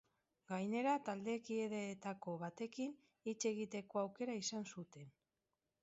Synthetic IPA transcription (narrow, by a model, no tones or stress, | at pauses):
ɡajne̞ɾat̪ald̪e̞kieðeːt̪ako̞βat̪e̞kin | it͡ʃe̞ɣit̪e̞ko̞awke̞ɾaisansut̪e̞n